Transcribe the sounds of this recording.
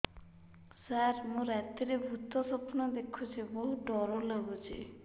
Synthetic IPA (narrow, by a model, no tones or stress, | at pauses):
saɾmũɾɛt̪iɾebʱut̪ɔsɔpnɔd̪ekʰːut͡ʃʰiboɦuɖɔɾolaɡut͡ʃʰḭ